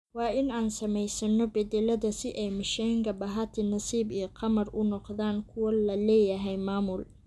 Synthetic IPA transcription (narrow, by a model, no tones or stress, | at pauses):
wɑːʔɪnaːnsɐmɛjsɐnɔbɛd̪ɪlɐðɐsɪʔɛjmɪʃɛjŋkʰɐbɐɦɐt̪ʰɪnɐsiːbijqʰɑmɐrʔʊnɔqðaːŋkʰʊwɐlɐlɛːjɐɦɛjmaːmʊl